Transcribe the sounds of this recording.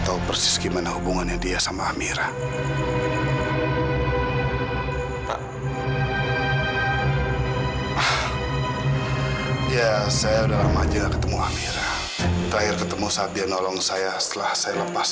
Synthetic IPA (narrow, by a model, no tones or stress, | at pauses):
t̪aupərsɪ̥sɡimanahubuŋanjaŋdiasamaːmiɾa | pa | h | jasajaudalamad͡ʒiŋlakə̥t̪əmua̰miɾa | t̪əɾahɪrkət̪əmusaat̪̚dianɔlɔŋsajast̪əlahsajaləpas